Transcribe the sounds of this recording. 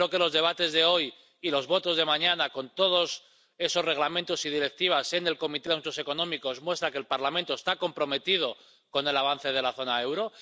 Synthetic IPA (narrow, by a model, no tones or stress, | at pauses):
oke̞lo̞zðe̞β̞at̪e̞zðe̞o̞j | ilo̞zβo̞t̪o̞zðe̞mãɲãnako̞nt̪o̞ð̞o̞s | e̞so̞sre̞ɣlamẽnt̪o̞sið̞iɾe̞k̚t̪iβ̞ase̞ne̞lko̞mit̪e̞aunt̪o̞se̞ko̞nõ̞miko̞zmwe̞st̪ɾake̞ːlpaɾlamẽnt̪ost̪ako̞mpɾo̞me̞t̪ið̞o̞ | ko̞ne̞laβ̞anθe̞ð̞e̞laθo̞nae̞wɾo̞